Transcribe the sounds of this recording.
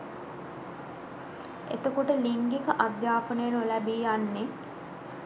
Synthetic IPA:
ḛt̪əkoʈəliŋɡikəʔad̪jaːpənəjənulæbiːjanːe

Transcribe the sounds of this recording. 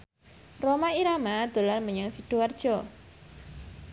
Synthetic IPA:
romaiɾamad̪̥o̤larməɲaŋsiɖ̥o̤ard̥ʒ̥ɔ

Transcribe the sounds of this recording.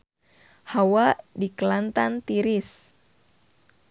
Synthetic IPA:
hawadikəlant̪ant̪iɾɪs

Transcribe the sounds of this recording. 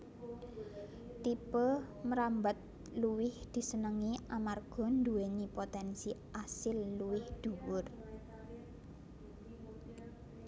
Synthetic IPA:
t̪ipə | məɾambat̪̚ | luwɪhd̪̥i̤sənəŋiʔamarɡ̥ɔ̤nd̪uwenipot̪ɛnsiʔasɪlːuwɪhd̪̥ṳwʊr

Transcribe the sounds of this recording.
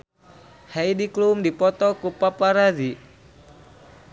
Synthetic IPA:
haidiklumdipɔt̪ɔkupapaɾazi

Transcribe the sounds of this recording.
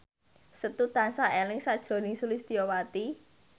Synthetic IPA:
sət̪ut̪ansaʔelɪŋsad̥ʒ̥ɾo̤nɪŋsulɪsd̪̥ijowat̪i

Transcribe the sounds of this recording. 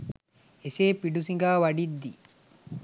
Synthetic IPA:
eseːpiɖusiŋɡaːʋɐɖid̪ːi

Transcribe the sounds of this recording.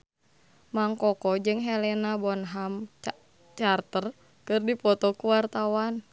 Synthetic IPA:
maŋkɔkɔd͡ʒɨŋɦɛlɛnabɔnɦam | t͡ʃart̪ər | kɨrdipɔt̪ɔkuwart̪awan

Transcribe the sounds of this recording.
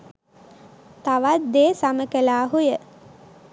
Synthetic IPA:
t̪aʋat̪̚d̪eːsaməkelaːɦujə

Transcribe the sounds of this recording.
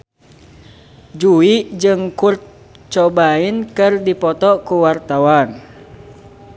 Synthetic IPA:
d͡ʒuiʔd͡ʒɨŋkurt̪̚ | t͡ʃɔbainkɨrdipɔt̪ɔkuwart̪awan

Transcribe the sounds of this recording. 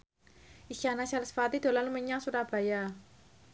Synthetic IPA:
ʔisanasalsfat̪id̪̥o̤lanluməɲasuɾab̥a̤ja

